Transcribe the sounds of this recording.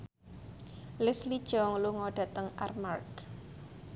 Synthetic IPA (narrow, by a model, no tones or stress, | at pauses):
lɪslid̥ʒ̥ɔŋluŋɔɖ̥a̤t̪əŋa̰rmark